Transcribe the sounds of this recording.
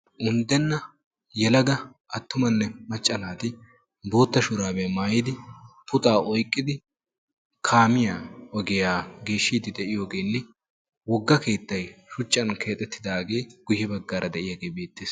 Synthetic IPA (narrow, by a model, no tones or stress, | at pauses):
ʔʊnd̪ɛnːɐ | jɛlɐɡɐ | ʔɐt̪ːʊmɐnːɛmɐt͡ʃʼːɐnaːt̪ɪ | bo̞ːt̪ːɐʃʊɾaːbɛmaːjɪd̪ɪpʊt̪ʼaːɔjkʼːɪd̪ɪ | kʰaːmɪjaːɔɡɛjaːɡeːʃːiːd̪ɪd̪ɛʔɪjo̞ːɡe̞ːlːɪ | wɔɡːɐke̞ːt̪ːɐjʃʊt͡ʃʼːɐnkʰe̞ːt̪ʼːɛt̪ʰːɪd̪aːɡe̞ːɡ̥ʊjɛbɐɡːaːɾʔɐd̪ɛʔɪjaɡe̞ːbe̞ːt̪ːeːs